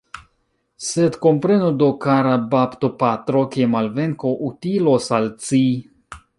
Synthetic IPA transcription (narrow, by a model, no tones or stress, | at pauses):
sed̪kompɾenod̪okaɾabapt̪opat̪ɾokiemalveŋkoʔut̪ilosalt͡si